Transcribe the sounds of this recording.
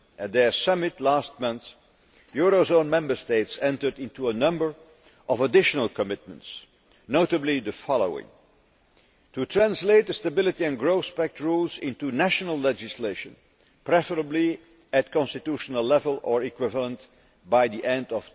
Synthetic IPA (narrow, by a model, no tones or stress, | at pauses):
ɨt̪̚ðə˞sʌmɨtʰlæst̚mʌ̃nθ | jʊɹozõʊ̃nmɛ̃mbə˞steɪtsɛ̃ntə˞dɪ̃ntuənʌ̃mbə˞ | ʔʌvədɪʃənəl̩ˠkəmɪt̚mə̰̃nts | noʊtəbliðəfɑlˠo̰ʊɪ̰̃ŋ | tʰutʰɹæ̃nsleɪt̪̚əstəbɪlˠɨtiɨ̃nɡɹoʊθpæk̚tɹulˠzɪ̃ntunæʃnəl̩ˠlɛd͡ʒɪsleɪʃə̃n | pɹɛfə˞əbli | ɨt̚kʰɑ̃nstɨtuʃənəl̩ˠlɛvəlˠə˞ɪkwɪvəlˠə̃nt | baɪðiʔɛ̃ndʌv̥